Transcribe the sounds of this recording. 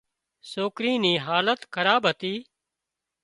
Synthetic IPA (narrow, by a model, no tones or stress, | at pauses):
soːkɾiːniːɦaːlət̪kʰəɾaːbɦət̪iː